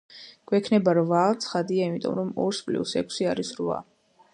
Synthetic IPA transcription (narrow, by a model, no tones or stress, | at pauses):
ɡ̥wɛkʰnɛbaɾvat̪sʰχad̪iaimit̪ʼɔ̰mɾɔmɔɾspʼlḭsɛkʷʰsiaɾisɾva̰